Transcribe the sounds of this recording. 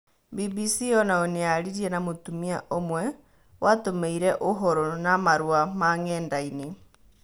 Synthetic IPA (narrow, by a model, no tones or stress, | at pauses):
bibisijɔnaonejaliɾienamotumiaʔomwe | wʔatomeiɾeʔoɦoɾonamaɾwamaŋeːndaine